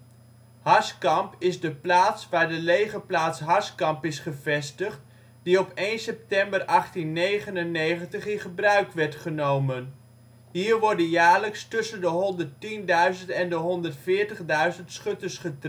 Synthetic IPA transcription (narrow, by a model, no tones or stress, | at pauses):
hɑskɑmpɪzdəplaːtsʋaːɹdəlejχəplaːtsɦɑskɑmpɪsχəvɛstəχt | diɔpejnsɛp̚tɛmbərʔɑχtinːejχənənːejχəntəχɪnχəbrœɥkʋɛɹtχənowmən | ɦiːɹʋɔɹdənjaːɹləkstɵsəndəɦɔndərtindœɥzəntɛndəɦɔndəɹtfɪːɹtəχdœɥzəntsχɵtəsχət